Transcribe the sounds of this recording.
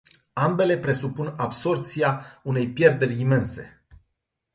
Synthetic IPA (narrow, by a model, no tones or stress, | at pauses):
ambe̞le̞pɾe̞supunabso̞rt̪siaune̞jpje̞rd̪e̞ɾʲime̞nse̞̰